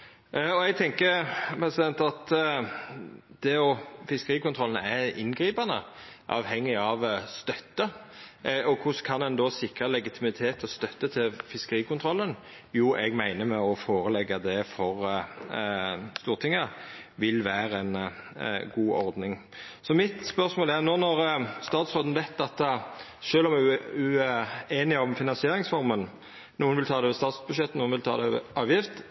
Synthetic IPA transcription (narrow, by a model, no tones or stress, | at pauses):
ɔɛɡ̚t̪ʰɛŋkəɾpɾɛsɪd̪ɛnt̪ɑt̪ | d̪̥ɛɔfɪskəɾiːkʊnt̪ʰɾɔlən̩ɛɪ̰nɡɾiːpɑnəʔɑːʋɦɛŋːɪɑʋst̪œt̪ːə | ɔkʰʊskʰɑnɛnd̪ɔsɪkɾəlɛɡɪt̪ʰɪmɪt̪ʰeːt̪ʰst̪œt̪ːət̪ʰɪlfɪskəɾiːkʊnt̪ʰɾɔlːən | juːʔɛɡmæɪnəmɛɔfoːɾəlɛɡːɑd̪ɛfɔɾ | st̪uːʁt̪ʰɪŋːə | ʋɪlʋæːɾəɛn | ɡuːʔɔɾd̪nɪŋ | sɔmɪt̪spœʁsmoːlæʁnoːnɔɾst̪ɑːt̪sʁoːd̪n̩ʋæɪt̪ːɑt̪ | ʃøːlɔmɛʉeːnɪɔmfɪnɑnsɪeːɾɪŋsfɔɾmən | nuːənʋɪlt̪ʰɑːd̪ɛʋɛst̪ɑːt̪sbʉʂʃɛt̪ːnuːənʋɪlt̪ʰɑ̰ːd̪ɛʋɛ̰ʔɑːʋjɪft̪